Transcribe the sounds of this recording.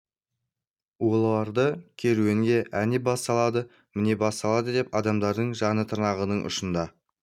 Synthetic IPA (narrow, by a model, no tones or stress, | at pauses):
wo̞lˠɑɾd̪əkʲʰe̞ɾueŋɡʲe̞ʔæne̞bɑst̪ɑlˠɑd̪ə | mɪne̞bɑst̪ɑlˠɑd̪əd̪e̞pɑd̪ɑmd̪ɑɾd̪əɴʒɑnət̪ʰəɾnɑʁənəɴʔʊ̰ʃənd̪ɑ